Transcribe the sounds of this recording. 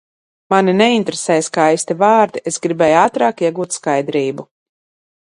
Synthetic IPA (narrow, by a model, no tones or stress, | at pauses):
maninɛint̪ɾesɛːjskajst̪ivaːɾd̪iesɡɾibɛːjaːt̪ɾaːkiɛɡuːt̪skajd̪ɾiːbu